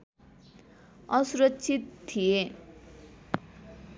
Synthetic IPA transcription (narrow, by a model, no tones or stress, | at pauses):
ʌsuɾʌtːsʰit̪ːʰije